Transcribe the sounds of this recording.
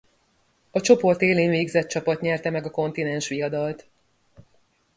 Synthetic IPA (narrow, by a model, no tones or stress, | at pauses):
ɒt͡ʃo̞po̞rt̪eːleːɲveːɡzɛt̪̚t͡ʃɒpɒt̪ɲɛrt̪ɛmɛɡɒko̞n̪t̪inɛnʃʋijɒd̪ɒlt̪